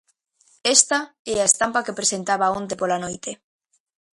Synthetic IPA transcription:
est̪a | eaest̪ampakepɾesent̪aβaõnt̪̬epolanojt̪e

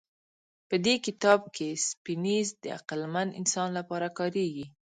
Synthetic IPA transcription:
pəd̪ekɪt̪ɑb̚kʰespinizd̪əa̰qəlmand̪ɪ̰nsɑnlapɑɾakɑɾeɡi

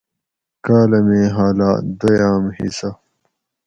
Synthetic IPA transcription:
kaːlɐmeːɦaːlaːd̪ojaːmhḭsɐ

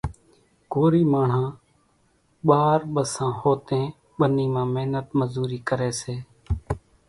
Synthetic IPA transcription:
ɡoːɾiːmaːɳ̤ãː | ɓaːɾɓəsãːhoːt̪ẽː | ɓəniːmãːmeːnət̪məzuːɾiːkəɾeːseː

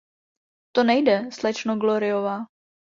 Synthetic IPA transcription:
t̪onɛjdɛslɛt͡ʃnoɡloɾɪovaː

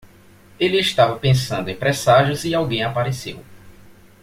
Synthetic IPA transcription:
elɪɪʃt̪avɐpẽsɐ̃nd̪ʊẽpɾɛsaʒʊziawɡẽj̃apaɾesḛw

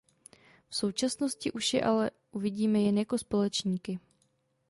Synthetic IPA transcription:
fso̞wt͡ʃasno̞scɪʔuʃjɛ̰ʔalɛ | ʔuvɪɟiːmɛjɛnjako̞spo̞lɛt͡ʃɲiːkɪ

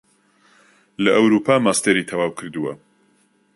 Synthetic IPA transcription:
lɐʔɐwɾuːpʰaːmaːst̪eɾit̪ʰɐwaːwkʰɨɾd̪ɨwɐ

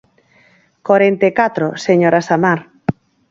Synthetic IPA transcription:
koɾent̪ekat̪ɾoseɲoɾasamaɾ

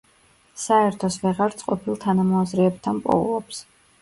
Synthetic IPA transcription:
saɛɾt̪ʰɔsvɛʁaɾt̪sʼqʼɔpʰilˠt̪ʰanamɔazɾɛːb̚t̪ʰanpʼɔ̰vlˠɔps

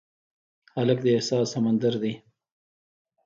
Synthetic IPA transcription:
halək̚d̪əehsɑːsamand̪aɾd̪i

